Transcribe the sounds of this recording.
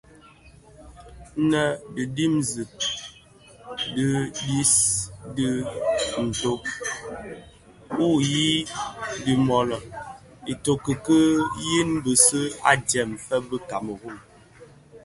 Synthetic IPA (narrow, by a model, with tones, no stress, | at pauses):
nə˨də˨di˦mzi˨p̚ | də˦di˦sdə˦n̩˨to˦p̚ | u˦˨ji˦di˨mɔ˨lɔ˨ | e˨to˨kə˨kə˦ji˦nbə˨sə˦a̰˦d͡ʒɛ˨mfɛ˦bə˦ka˨mə˨ɣo˦˨ŋ